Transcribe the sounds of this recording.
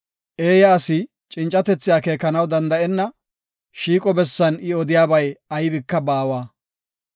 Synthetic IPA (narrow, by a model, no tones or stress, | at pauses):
ʔeːjɐːsɪ | t͡ʃʼɪnt͡ʃʼːɐt̪ɛt͡sːɪjaːkeːkːɐnɐwd̪ɐnd̪ɐʔɛnːɐ | ʃiːkʼɔbɛsːɐnɪɔd̪ɪjaːbɐjɐjbɪkːɐbaːwaː